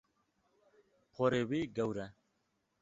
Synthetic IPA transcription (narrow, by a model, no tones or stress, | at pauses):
pʰoɾewiːɡɐwɾɛ